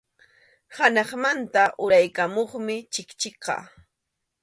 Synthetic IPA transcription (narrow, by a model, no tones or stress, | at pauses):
hanɑχmant̪aʔʊɾajkamoχmɪt͡ʃɪkt͡ʃɪqɑ̰